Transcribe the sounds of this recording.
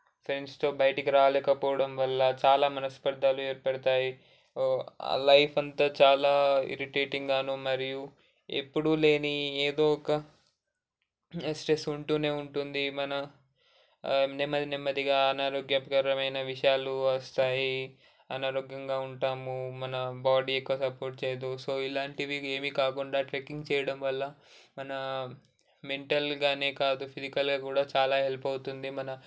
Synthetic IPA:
fɾenst̪o̞ːbɐjɐʈikiɾaːlɛːkɐpɔːʋɐɽɐmʋɐlːɐt͡ʃaːlaːmɐnɐspɐɾd̪ʱːaːlueːɾpɐɽit̪aːji | a̰lɐjpʰɐnt̪aːt͡ʃaːlaːḭɾiʈeːʈiŋɡaːnumɐɾiju | ḛpːuɽule̞ːnieːd̪oːɔkɐ | sʈɾe̞suɳʈuːne̞ːuɳʈund̪imɐnɐ | nemːɐd̪nemːɐd̪iɡaːɐnaːɾoːɡjɐpkɐɾɐmɐjnɐʋiʂɐjaːluʋɐst̪aːji | ɐnaːɾoːɡjɐŋɡaːuɳʈaːmumɐnɐbaːɽiːjokːɐsɐpo̞ːɾʈ̚t͡ʃeːjd̪osoːilaːɳʈiʋieːmikaːkuɳɖaːʈɾekiŋɡt͡ʃɛːjɐɽɐmʋɐlːɐmɐnɐ | me̞ɳʈɐlɡaːne̞ːkaːd̪upʰizikɐlɡaːkuːɽaːt͡ʃaːlaːɦelpɐwt̪und̪imɐnɐ

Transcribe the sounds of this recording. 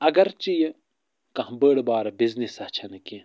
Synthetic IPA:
ɐɡɐɾt͡ʃij | kɐ̃ɦbəːɽbaːɾɐbiznisɐt͡ʃʰɐnkĩ

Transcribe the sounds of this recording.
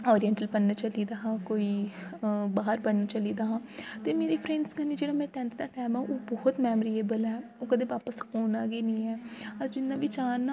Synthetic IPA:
ɔːɾijɛ̃ɳʈəlpənːat͡ʃəliːd̪aːɦãːkoːiː | baːɦəɾpənnat͡ʃəliːd̪aːɦãːt̪eːmeːɾeːpʰɾɛ̃ːɳɖsɡənːiːd͡ʒeːɽaːmɛ̃ːt̪ɛ̃ːnt̪d̪aːʈɛːmãːʔoːbɔːt̪mɛːməɾiːeːbəlɦɛːoːkəd̪eːʋaːpəshoːnaːɡeːnĩːɛːəɾd͡ʒɪnːãːʋɪt͡ʃaːɾnaː

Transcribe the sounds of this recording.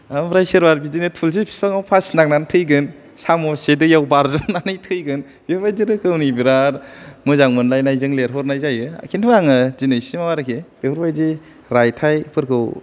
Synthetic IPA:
amɾajsiɾbaɾbidinɯtʰuls̬epʰi̥pʰaŋawpʰasnak̚nantʰɯjɡɯn | samɔsedɯjawbaɾzɯnanɯjtʰɯjɡɯn | b̥euɾbajdiɾɯkʰɯwnibiɾaɾmɯzaŋmɯnlajnajzɯŋleɾɦɔɾnajzajɯa̰kʰintʰɯmaŋɯdinɯjsimawaɾɯkʰeb̥epʰuɾbajdi | ɾajtʰajpʰɯɾkʰɯw

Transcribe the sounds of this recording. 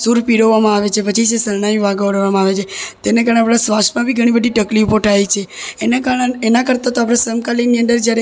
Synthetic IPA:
suɾpiɽəʋamãaʋet͡ʃʰepət͡ʃʰisesəɾɳ̃aiʋaɡəʋɽʋamãaʋet͡ʃʰet̪enekaɾəɳeapɽasʋasʈmãbʱiɡʱəɽ̃ĩbəd̪ʱiʈəklipoʈait͡ʃʰeːnakaɾəɳeenakəɾt̪at̪oapɾasəmkaliniənd̪əɾd͡ʒjaɾe

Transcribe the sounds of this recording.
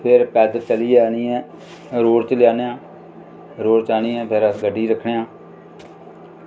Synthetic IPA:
pʰɪɾpɛːd̪t͡ʃəliːaːniːɛ̃ː | ɾoːɽt͡ʃəljaːneːãː | ɾoːɽt͡ʃaːniːɛ̃ːpʰɪɾəsɡəɖːiːɾəkʰɳeːãː

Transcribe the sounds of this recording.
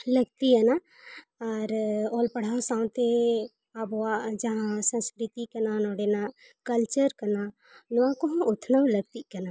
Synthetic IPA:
ləɡt̪iəna | aɾoːlpəɽ̤asãːw̃t̪e | abad͡ʒəɦãsə̃skɾɪt̪ikənanɔːɽena | kəlt͡ʃəɾkəna | nuãkoɦʊt̪ʰnaləɡ̚t̪ikɐna

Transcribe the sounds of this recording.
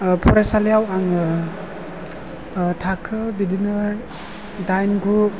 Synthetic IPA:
pʰɔɾasalijawaŋɯ | tʰakʰɯbidinɯ | dajnɡu

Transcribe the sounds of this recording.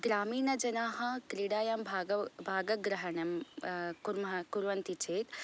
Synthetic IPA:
ɡɾaːmiːnɐd͡ʒɐnaːɦɐ̃kɾiɽaːjɐmbʱaːɐbʱaːɡɐɡɾɐɦɐnɐmkuɾmɐɐkuɾʋɐnt̪it͡ʃʰeːt̪

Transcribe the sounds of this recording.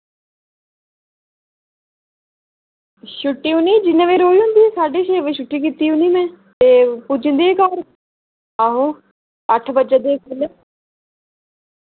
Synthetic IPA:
ʃʊʈːiːʊnĩːd͡ʒɪnẽʋeːɾoːiɦʊ̃nd̪iːɛːsaːɖiːʃeːʋeʃʊʈːiːkit̪iːʊniːmɛ̃ː | t̪eːpʊd͡ʒə̃nd̪iːeːkaːɾ | aːɦõ | əʈʰbəd͡ʒəd̪eːkʊl

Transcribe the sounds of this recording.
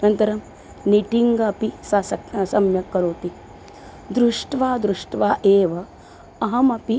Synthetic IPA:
nɐnt̪ɐɾɐm | niʈiŋɡɐpisɐsɐsɐmjɐkɐɾoːt̪i | d̪ɾuʂʈʋaːd̪ɾuʂʈʋaːʔeːʋɐ | ɐɦɐmɐpi

